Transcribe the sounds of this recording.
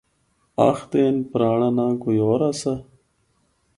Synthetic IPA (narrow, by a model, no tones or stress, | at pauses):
a̰xd̪eːnpɾaːɳanaɡujoːɾasɐ